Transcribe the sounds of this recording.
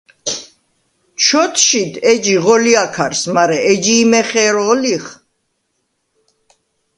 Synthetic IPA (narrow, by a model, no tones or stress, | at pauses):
t͡ʃʰɔt̪ʰʃid̪ʰɛd͡ʒiʁɔliakʰaɾsmaɾɛɛd͡ʒiːmɛχɛɾɔliχ